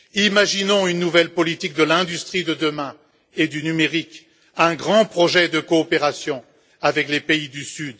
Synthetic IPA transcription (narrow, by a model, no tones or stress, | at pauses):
imaʒinɔ̃ynːuvɛlpɔlit̪ik̚d̪əlɛ̃d̪yst̪χid̪əd̪əmɛ̃ | ed̪ynymeʁik | ɛ̃ɡʁɑ̃pχɔʒɛd̪əkɔːpeʁasjɔ̃ | avɛklepeid̪ysyd̪